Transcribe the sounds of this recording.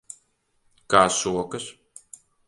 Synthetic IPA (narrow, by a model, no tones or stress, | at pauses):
kaːsuɔkas